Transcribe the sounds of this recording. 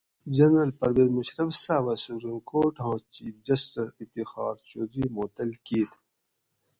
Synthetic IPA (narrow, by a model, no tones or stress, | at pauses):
d͡ʑɐnɾɐlpɐɾweːzmɐɕɾɐfsaːʋasupɾimkoːɾʈɦõːt͡ʃiːd͡ʑɐsʈɐɾift̪ixɑ̰ːɾt͡ʃoːd̪ɾiːmoːt̪ɐlkiːt̪